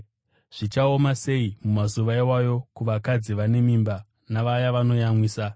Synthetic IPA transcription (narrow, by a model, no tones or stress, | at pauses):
ʐ̥it͡ʃao̞mase̞imumazuʋaiwajo̞kuʋakad͡ziʋane̞miːmba | naʋajaʋano̞jamwiːsa